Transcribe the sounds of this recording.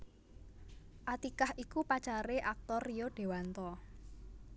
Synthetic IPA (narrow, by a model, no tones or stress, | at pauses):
ʔat̪ikahʔikupat͡ʃaɾeʔak̚t̪ɔrijoɖ̥e̤want̪ɔ